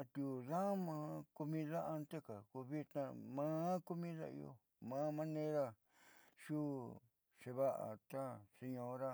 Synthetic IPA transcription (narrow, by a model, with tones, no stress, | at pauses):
a˧t̪u˧ða˦mãː˧˦ku˧mĩ˧ða˦ʔa˧nt̪e˦ka˨ku˧βi˧t̪nã˧mã˦ku˧mĩ˦ða̰˦˧ḭ˧o̰˧ | mã˨˦mã˦˧nẽ˦ɾa˧ | ʃu˦ | ʃe˧βa˦ʔa̰˨t̪a˦se˧ɲõ˧˦ɾa˦